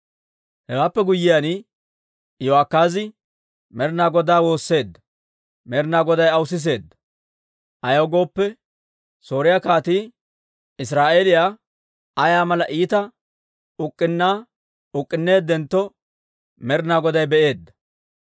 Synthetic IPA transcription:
hɛwaːpːɛɡʊjːɪjanɪ | joakːaːzɪ | mɛɾnaːɡɔd̪aːwo̞ːsːe̞ːd̪ːɐ | mɛɾɪnaːɡɔd̪ɐjɐwʊsɪs̬e̞ːd̪ːɐ̥ | ʔɐjɐɡo̞ːpːɛ | so̞ːɾɪjaːkaːt̪iː | ɪs̬ɾaːʔeːlɪjaː | ɐjaːmɐlɐʔiːt̪ɐ | ʊkʼːɪnːaː | ʊkʼːɪnːe̞ːd̪ːɛnt̪ːɔ | mɛɾɪnaːɡɔd̪ɐjbɛʔe̞ːd̪ːɐ̥

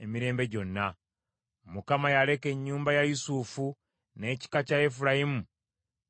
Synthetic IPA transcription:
e̞miɾe̞ːmbe̞ɟo̞nːa | mukamajale̞ke̞ɲːuːmbajajusufu | ne̞ːci̥kacaefuɾajimu

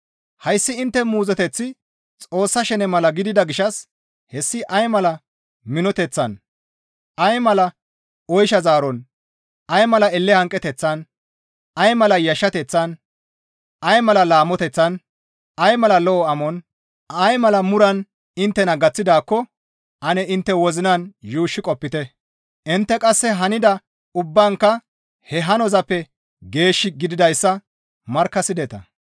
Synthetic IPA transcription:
hɐjsːɪɪnt̪ːɛmuːzɛt̪ɛt͡sːɪ | t͡sʼo̞ːsːɐʃɛnɛmɐlɐɡɪd̪ɪd̪ɐɡɪʃɐs | hɛsːɪʔɐjmɐlɐ | mɪnɔt̪ɛt͡sːɐn | ɐjmɐlɐ | ɔjʃɐzaːɾɔn | ʔɐjmɐlɐɛlːɛhɐŋkʼɛt̪ɛt͡sːɐn | ʔɐjmɐlɐjɐʃːɐt̪ɛt͡sːɐn | ʔɐjmɐlɐlaːmːɔt̪ɛt͡sːɐn | ɐjmɐlɐlɔʔɔɐmɔn | ɐjmɐlɐmʊɾɐn | ɪnt̪ːɛnɐɡɐt͡sːɪd̪aːkːɔ | ʔɐnɛʔɪnt̪ːɛwɔzɪnɐnjuːʃːɪkʼɔpːɪt̪ɛ | ʔɪnt̪ːɛkʼɐsːɛɦɐnɪd̪ɐ | ʊbːaːŋkːɐ | hɛɦɐnɔzɐpːɛ | ɡe̞ːʃːɪɡɪd̪ɪd̪ɐjsːɐ | mɐɾkːɐsɪd̪ɛt̪ɐ̰

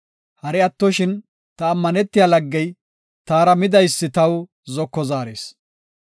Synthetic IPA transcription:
hɐɾɛɐt̪ːɔʃɪn | t̪ɐːmːɐnɛt̪ːɪjaːlɐɡːɛj | t̪aːɾɐmɪd̪ɐjsːɪt̪ɐw | zɔkːɔzaːɾḛːs

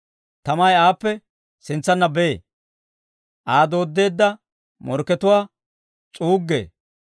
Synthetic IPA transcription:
t̪ɐmɐjaːpːɛ | sɪnt͡sːɐnːɐbɛḛː | ʔaːd̪o̞ːd̪ːe̞ːd̪ːɐ | mɔɾkːɛt̪ʊwaː | t͡sʼuːɡːḛː

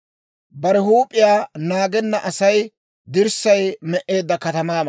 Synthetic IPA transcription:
bɐɾɛhuːpʼːɪjaːnaːɡɛnːɐʔɐsɐj | d̪ɪɾsɐjmɛʔe̞ːd̪ːɐkɐt̪ɐmaːmɐ

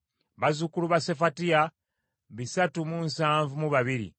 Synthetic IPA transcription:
βazukuluβasefatia | βisatumuːnsaːɱvumuβaβiɾḭ

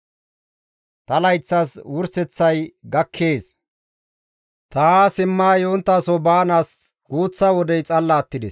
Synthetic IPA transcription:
t̪ɐlɐjt͡sːɐswʊɾsɛt͡sːɐjɡɐkʰːe̞ːs | t̪aasɪmːaːjont̪ːaːsɔbaːnaːs | ɡ̥uːt͡sːɐwɔd̪ɛjt͡sʼɐlːaːt̪ːɪd̪ɛs

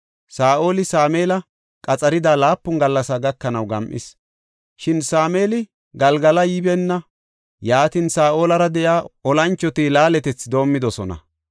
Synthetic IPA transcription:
saːʔo̞ːlɪsaːmeːlɐ | kʼɐt͡sʼɐɾɪd̪aːlaːpːʊnɡɐlːɐsaɡɐkːɐnɐwɡɐmʔɪ̰s | ʃɪnsaːmeːlɪ | ɡɐlɡɐlɐjɪbɛnːɐ | jaːt̪ɪnsaːʔo̞ːlɐɾɐd̪ɛjaːʔɔlɐnt͡ʃːɔt̪ilaːlɛt̪ɛt͡sːd̪o̞ːmːɪd̪ɔsɔnɐ̰

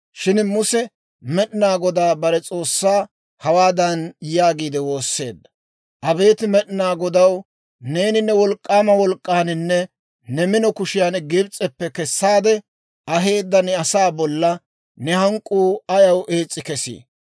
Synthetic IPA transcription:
ʃɪnmʊsɛ | mɛɗɪnaːɡɔd̪aːbɐɾɛt͡sʼo̞ːsːaː | hɐwaːd̪ɐnjaːɡiːd̪ɛwo̞ːsːe̞ːd̪ːɐ̥ | ʔɐbe̞ːt̪ɪmɛɗɪnaːɡɔd̪ɐw | ne̞ːnɪnːɛwɔlkʼːaːmɐwɔlkʼːaːnɪnːɛ | nɛmɪnɔkʊʃɪjanɡɪbt͡sʼːɛpːɛkɛsːaːd̪ɛ | ɐɦe̞ːd̪ːɐnɛɐsaːbɔlːɐ | nɛhɐŋkʼːuːɐjɐwʔe̞ːt͡sʼːɪkɛsḭː

